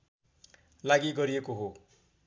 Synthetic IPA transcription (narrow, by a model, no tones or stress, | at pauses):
laɡiɡʌɾijekoɦo